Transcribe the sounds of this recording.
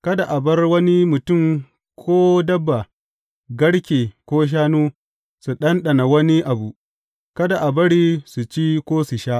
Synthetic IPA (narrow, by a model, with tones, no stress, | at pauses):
kɐ˦da˨ʔa˨bɐ˦rwɐ˦ni˦mʊ˨tʊ˦˨m | kʷʰoː˦dɐ˦bːa˨ | ɡɐ˦ɽkʲeː˨kʷoː˦ʃ̬aː˦nuː˦ | su˨ɗɐ˦nɗɐ˨na˨wɐ˦ni˦ʔa˨bu˨ | kɐ˦da˨ʔa˨bɐ˦ɽiː˦su˨t͡ʃiː˦kʷoː˦su˨ʃaː˦ʔ